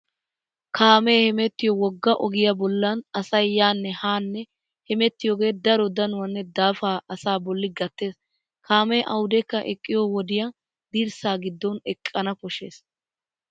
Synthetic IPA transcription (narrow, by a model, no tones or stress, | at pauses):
kʰaːmɛːhɛmɛt̪ːɪjɔwɔɡːɐʔɔɡɪjɐbɔlːɐnɐsɐjːaːnːɛhaːnːɛ | hɛmɛt̪ːɪjɔːɡe̞ːd̪ɐɾɔd̪ɐnʊwɐnːɛd̪aːfaːɐsaːbɔlːɪɡɐt̪ːe̞ːs | kʰaːmɛʔɐ̰wʊd̪ɛkːɐʔɛkʼːɪjɔwɔd̪ɪjɐ | d̪iːɾsaːɡɪd̪ːɔnɛkʼːɐnɐpɔʃeːs